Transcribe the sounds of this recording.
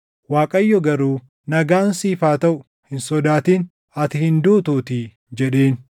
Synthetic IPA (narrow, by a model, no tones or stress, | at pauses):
waːkʼɐjːɔɡɐɾuː | nɐɡaːnsiːfaːt̪ɐʔʊ | hɪnsɔd̪aːt̪iːn | ɐt̪ɪhɪnd̪uːt̪uːt̪ɪ | d͡ʒɛᶑe̞ːn